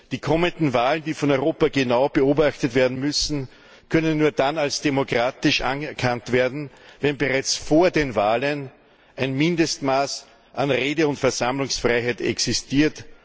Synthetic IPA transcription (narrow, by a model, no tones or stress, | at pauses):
d̥iːkʰɔməndn̩vaːləndiːfɔnɔʏʁoːpɐɡenaʊb̥əoːbaxtətv̥eːɐdn̩mʏsn̩ | kʰœnənːuːɐdanalsd̥emokʁ̥aːtɪʃʔa̰nəkʰantv̥eːɐdn̩vɛnbəʁaɪt͡sfoːɐdeːnvaːlən | ʔæɪnmɪndəstmaːs | ʔanʁeːdəʊntfɛɐz̥amlʊŋsfʁaɪɦæɪtɛ̰ksɪstiːɐt